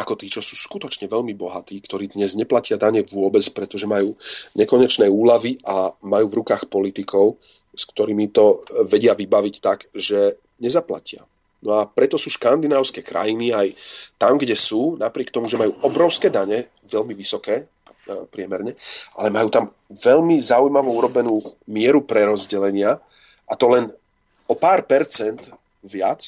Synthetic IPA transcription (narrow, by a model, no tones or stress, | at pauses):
akɔt̪iːt͡ʃɔsuːskut̪ɔt͡ʃɲɛʋɛʎmibɔɦat̪iːkt̪ɔɾiːd̪ɲɛzɲɛplacɪad̪aɲɛʋʊɔbɛt͡spɾɛt̪ɔʒɛmajuːɲɛkɔɲɛt͡ʃnɛuːlaʋiʔamajuːvɾukaːxpɔlit̪ikʰɔʊ | skt̪ɔɾiːmit̪ɔʋɛɟɪaʋibaʋict̪aɡʒɛ | ɲɛzapla̰cɪa̰ | nɔapɾɛt̪ɔsuːʃkand̪inaːʊskɛːkɾa̰jiniajt̪amɡɟɛsuːnapɾɪɛkt̪ɔmuʒɛmajuːʔɔbɾɔʊskɛːd̪aɲɛ | ʋɛʎmiʋisɔkɛː | pɾɪɛmɛɾɲɛa̰lɛmajuːt̪am | ʋɛʎmizaujmaʋɔuɾɔbɛnuːmɪɛɾupɾɛɾɔzɟɛlɛɲɪa | ʔat̪ɔlɛn | ɔpaːɾpɛɾt͡sɛnd̪ | ʋɪat͡s